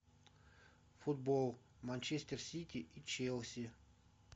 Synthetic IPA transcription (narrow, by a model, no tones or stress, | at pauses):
fʊd̪̚bolˠ | manʲt͡ʃesʲt̪ʲersʲit̪ʲɪʔit͡ɕelˠsʲɪ